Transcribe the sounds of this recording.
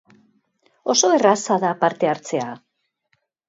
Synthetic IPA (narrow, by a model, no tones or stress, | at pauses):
o̞so̞erasaðapaɾt̪e̞aɾt͡se̞a